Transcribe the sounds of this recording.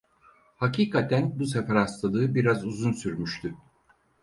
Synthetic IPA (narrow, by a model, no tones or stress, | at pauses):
hacʰiːkʰat̪ʰænbus̬efɛɾast̪ad̪ˠɯːbiɾazuzunsyɾmyʃt̪ʰy